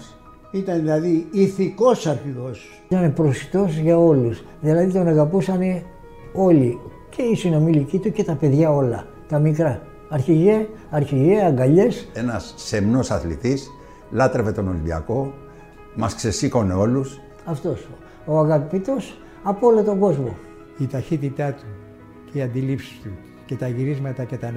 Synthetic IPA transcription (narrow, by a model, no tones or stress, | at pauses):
it̪ɐnðilɐðiiθiko̞sɐɾçiðos | t̪ɐnepɾosi̥t̪o̞sʝɐo̞lus | ðilɐðit̪o̞nɐɣɐpusɐne̞ | o̞li | ce̞isino̞milicit̪uce̞t̪ɐpe̞ðʝɐo̞lɐ̰ | t̪ɐmikɾɐː | ɾçiʝe̞ | ɐɾçiʝeɐŋɡɐʎe̞senɐsːe̞mno̞sɐθlḭt̪is | lɐt̪ɾe̞ve̞t̪o̞no̞libiɐ̰ko̞ | mɐskse̞siko̞ne̞o̞lus | ɐft̪o̞s | oɐɣɐpit̪os | ɐpolet̪o̞ŋɡo̞zmo̞ | it̪ɐçit̪it̪ɐt̪u | ceiɐnd̪ilipsi̥st̪u | ce̞t̪ɐʝiɾizmɐt̪ɐce̞t̪ɐn